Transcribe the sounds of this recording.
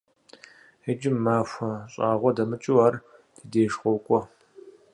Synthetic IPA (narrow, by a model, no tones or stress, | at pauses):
ed͡ʒɪmːaːxʷɐɕʼaːʁʷɔdɐmɨt͡ʃʼʊwaːr | d̥ideːʂχʷɔkʷʼɔ